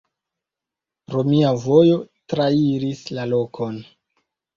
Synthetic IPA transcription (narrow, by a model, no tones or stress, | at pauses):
ɾo̞miavo̞jotɾaiɾislalo̞kʰo̞n